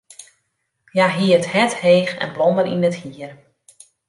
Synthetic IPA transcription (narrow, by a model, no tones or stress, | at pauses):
jaɦiərthɛtheːxɛ̰nblɔmdəɾinəthiər